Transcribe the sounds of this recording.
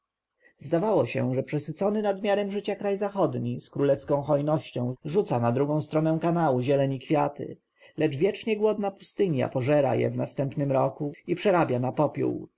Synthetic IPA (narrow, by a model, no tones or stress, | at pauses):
zd̪avawɔɕɛ̰ʐɛpʂɛsɘt̪sɔnɘnad̪mʲjaɾɛmʐɘt͡ɕakɾajzaxɔd̪ɲiskɾulɛfskɔ̃w̃xɔjnɔɕt͡ɕɔ̃w̃ʐut̪sanad̪ɾuɡɔ̃w̃st̪ɾɔnɛw̃kanawuʑɛlɛɲikfʲjat̪ɘ̰ | lɛd͡ʐvʲjɛt͡ʂɲɛɡwɔd̪napust̪ɘɲja̰pɔʐɛɾa̰jɛ̰vnast̪ɛmpnɘmɾɔkuipʂɛɾabʲjanapɔpʲjṵw